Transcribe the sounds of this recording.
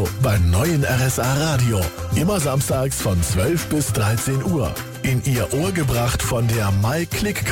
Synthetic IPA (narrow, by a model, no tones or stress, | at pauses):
baɪmnɔʏənʔɛ̰ʁɛsʔaːʁaːdio | ʔɪmɐzamstaːksfɔnt͡sv̥œlfb̥ɪsd̥ʁaɪt͡seːnʔuːɐ | ʔɪnʔiːɐʔoːɐɡəbʁaχtfɔndeːɐmaɪkʰl̥ɪkː